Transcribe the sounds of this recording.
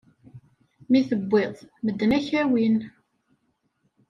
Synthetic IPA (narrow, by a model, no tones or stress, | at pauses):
miθəbʷːeðˤməd̪ːnæçæwin